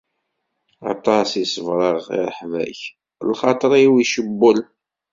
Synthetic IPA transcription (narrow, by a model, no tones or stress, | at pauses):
ɑ̰t̪ˤɑsisəvɾˤəʁḭɾˤəħvæ̰ç | lχɑt̪ˤəɾˤiwiʃəbːəl